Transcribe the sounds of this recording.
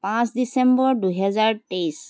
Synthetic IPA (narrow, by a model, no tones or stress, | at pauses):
pãsdisẽmbɔɾɖuɦɛzaɹʈes